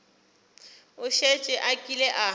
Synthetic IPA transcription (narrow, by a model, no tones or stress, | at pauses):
ʊʃet͡ʃʼɛʔakʼilɛʔa